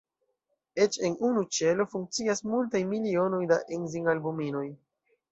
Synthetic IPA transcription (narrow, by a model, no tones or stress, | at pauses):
e̞t͡ʃe̞nunut͡ʃe̞lo̞fuŋk̚t͡siasmultajmilio̞no̞jdaʔenziŋalbumino̞j